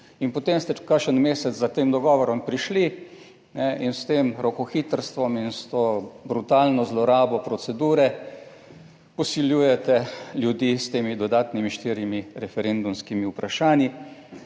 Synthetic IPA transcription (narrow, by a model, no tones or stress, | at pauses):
inpɔt̪emst̪ɛkaʃənmeːsɛzzat̪eːmd̪ɔɡɔːʋɔɾɔmpɾiʃli | nɛinst̪eːmɾɔkɔxit̪əɾst̪ʋɔminst̪oːbɾut̪aːlnɔzlɔɾaːbɔpɾɔsɛd̪uːɾɛ | pɔsiljuːjɛt̪ɛljud̪jiːst̪eːmid̪ɔd̪aːt̪nimiʃt̪iːɾjimiɾɛfɛɾend̪umskimiupɾaʃaːnji